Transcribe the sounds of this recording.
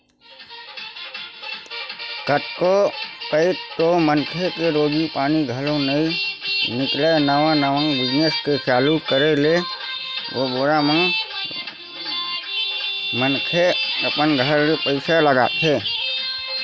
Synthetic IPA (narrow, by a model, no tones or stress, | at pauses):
kət̪kopəɪtt̪omənkʰekeɾoːɡipaːniɡʱəlõnəĩnɪklenəʋãnəʋãŋbɪd͡ʒneskesaːlukəɾele | oboɾam | mənkʰeəpənɡʱəɾpəɪsaləɡa̰ːt̪ʰɦeː